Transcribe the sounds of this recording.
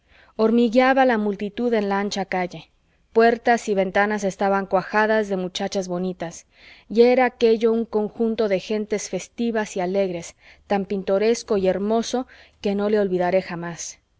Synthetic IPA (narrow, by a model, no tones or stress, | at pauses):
o̞ɾmiɣjaβalamult̪it̪uðe̞nlaant͡ʃakaʝe̞ | pwe̞ɾt̪asiβe̞nt̪anase̞st̪aβaŋkwaxaðazðe̞mut͡ʃat͡ʃazβo̞nit̪as | ieɾaːke̞ʝo̞uŋko̞ŋxunt̪oðe̞xe̞nt̪e̞sfe̞st̪iβasiale̞ɣɾe̞s | t̪ampint̪o̞ɾe̞sko̞ie̞ɾmo̞so̞ke̞no̞le̞o̞lβiðaɾe̞xamas